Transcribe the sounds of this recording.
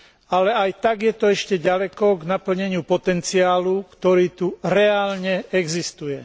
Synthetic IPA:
alɛajt̪aɡjɛt̪ɔɛʃcɛɟalɛkɔɡnapl̩ɲɛɲɪupɔt̪ɛnt͡siaːlukt̪ɔɾiːt̪uɾɛaːlɲɛɛɡzist̪ujɛ

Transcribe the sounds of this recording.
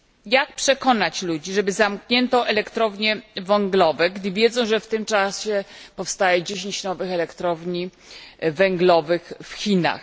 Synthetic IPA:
jak̚pʂɛkɔn̪at͡ɕlud͡ʑiʐɛbɘzamkɲɛnt̪ɔʔɛlɛkt̪ɾɔvɲɛvɛŋɡlɔvɛɡd̪ɘvʲjɛd̪zɔ̃w̃ʐɛft̪ɘmt͡ʂaɕɛpɔfst̪ajɛd͡ʑeɕ̬ẽɲt͡ɕnɔvɘxɛlɛkt̪ɾɔvɲi | vɛŋɡlɔvɘxfxʲina̰x

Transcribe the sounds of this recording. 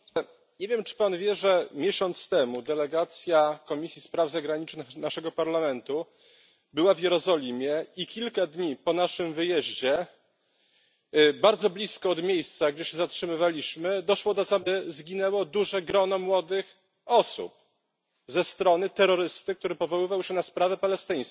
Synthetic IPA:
ɲevʲjɛmt͡ʂɘ̥panvʲjɛʐɛmʲjeɕɔnt̪st̪ɛmud̪ɛlɛɡat̪sʲjakɔmʲisʲjispɾavzaɡɾaɲit͡ʂnxnaʂɛɡɔpaɾlamɛnt̪u | bɘwavʲjɛɾɔzɔlʲimʲjɛikʲilkad̪ɲipɔnaʂɘmvɘjɛʑd͡ʑɛ | baɾd̪zɔblʲiskɔːd̪mʲjejst̪saɡd͡ʑɛɕɛzatʂɘmɘvalʲiɕmɘd̪ɔʂwɔd̪ɔzabɘzɡʲinɛwɔd̪uʐɛɡɾɔnɔmwɔd̪ɘx | ɔsṵp̚ | zɛst̪ɾɔnɘt̪ɛɾɔɾɘst̪ɘk̚t̪uɾɘpɔvɔwɘvawɕɛnaspɾavɛpalɛst̪ɘj̃s

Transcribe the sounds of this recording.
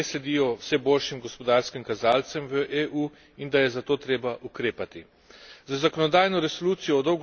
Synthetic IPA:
eslɛd̪iːjɔwsɛboːlʃimɡɔspɔd̪aɾskimkazaːlt̪sɛmʋəʔeːʔuː | ind̪ajɛzat̪oːt̪ɾeːbaʔukɾeːpat̪i | zazakɔnɔd̪aːjnɔɾɛsɔluːt̪sijɔːd̪ɔwɡ

